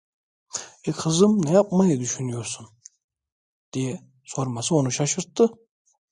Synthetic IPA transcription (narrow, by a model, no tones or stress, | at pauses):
ekʲχɨzɨmnajapʼmajid̪yʃynyjoɾsun | d̪̥ijɛ | soɾmasɨonuʃaʃɯɾt̪ːɨ